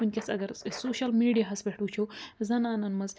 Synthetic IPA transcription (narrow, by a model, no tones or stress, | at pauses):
unʲkʲɐsɐ̰ɡɐɾsoːʃɐlmiɖijɐɦɐspʲeʈut͡ʃʰowzɐnaːnɐnmɐz